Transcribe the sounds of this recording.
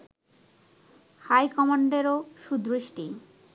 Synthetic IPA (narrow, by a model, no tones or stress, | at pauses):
hajkɔmaɳɖeɾoʃud̪ɾoʃʈi